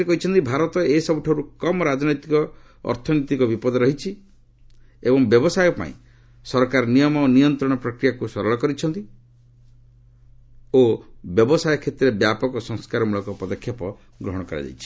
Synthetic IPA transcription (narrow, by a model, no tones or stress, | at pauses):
ekɔɦit͡ʃʰɔnt̪ibʱaɾɔt̪ɔesɔbuʈʰaɾukɔmɔɾad͡ʒɔnɔjt̪ikɔ | ɔ̰ɾt̪ʰɔnɔt̪ikɔbipɔd̪ɔɾɔɦit͡ʃʰi | ebɔŋbjɔbɔsajɔpa̰ḭ̃ | sɔɾɔkaɾɔnijɔmɔonijɔnt̪ɾɔɽ̃ɔpɾɔkɾijakusɔɾɔɭɔkɔɾit͡ʃʰɔnt̪i | objɔbɔsajɔkʰet̪ɾebjapɔkɔsɔŋskaɾɔmulɔkɔpɔd̪ɔkʰjapɔ | ɡɾɔɦɔɽ̃ɔkɔɾa̰d͡ʒa̰jt͡ʃʰi̥